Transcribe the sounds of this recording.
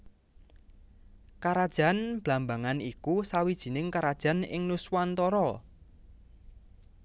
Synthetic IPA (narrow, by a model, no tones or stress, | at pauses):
kaɾad̥ʒ̥a̤nb̥la̤mbaŋanikusawid̥ʒ̥i̤nɪŋkaɾad̥ʒ̥a̤nɪ̰ŋnuswant̪ɔɾɔ